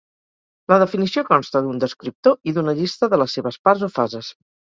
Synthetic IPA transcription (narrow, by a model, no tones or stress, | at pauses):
ləð̞əfinisiokɔnst̪əðund̪əskɾip̚t̪oiðunəʎist̪əðələsːeβəspaɾzofazəs